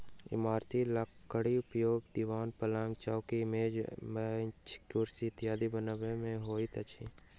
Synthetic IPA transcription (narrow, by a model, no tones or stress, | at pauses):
ɪ̰maːɾt̪ʰiləkːəɽiʊpjoːɡd̪iʋaːnpəlãŋɡt͡ʃakimemet͡ʃʰɪ̥kʈuːɾsit̪ɪjaːd̪ibənaʋemẽɦoːit̪ɐt͡ʃʰḭ